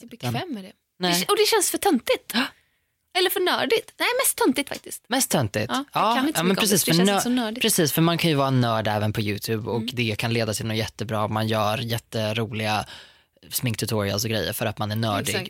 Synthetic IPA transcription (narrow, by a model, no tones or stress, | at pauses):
bɛvɛmːəɖɛ | nɛɛɔd̪ɛɕɛnsfœʈʰœnt̪ɪt̪ː | ɛlːəɾfœɳœ̰ːɖɪt̪nɛɪmɛst̪ʰːœnt̪ɪt̪fa̰k̚t̪ɪst̪mɛst̪ʰːœnt̪ɪ̰tːɑːɪɑːmɛnpɾɛsiːsfœsɔnœːɖɪpʰɾɛsiːsfœɾmankʰanjɵvɑːɾanœːɖɛːvənpʰɔjʉ̟ːt̪ʰʉːbɔkkd̪ɛkʰanleːd̪at̪ʰɪlnɔːjɛt̪ːəbɾɑːmanjœːɾjɛt̪ːəɾuːlɪɡa | smɪŋkt̪ʰɵt̪ʰɔɾɪa̰ls̬ɔɡɾɛ̰jːə̰ɾfœɾat̪manæɳœːɖɪɡ